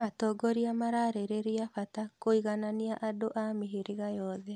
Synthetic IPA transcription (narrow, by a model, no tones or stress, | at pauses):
atɔɡɔɾiamaɾaɾeɾeɾiafatakoiɣananiaʔadoʔamiɦeɾeɣajɔðɛ